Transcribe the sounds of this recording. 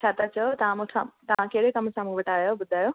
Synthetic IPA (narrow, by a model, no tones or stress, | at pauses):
t͡ɕʰaːt̪at͡ɕɐot̪ɐʋãmoʈʰã̰t̪ɐʋãkɐɦɪɽekɐmsãːmũʋɐʈaːjobʊd̪ʱaːjoː